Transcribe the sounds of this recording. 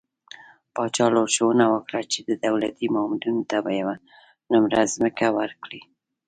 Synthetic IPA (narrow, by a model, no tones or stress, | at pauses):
pɑt͡ʃɑloɾʃawənawəkɽat͡ʃed̪əd̪awlat̪imɑmɪd̪unot̪abajawa | nʊmɾazməkawəɾkɽi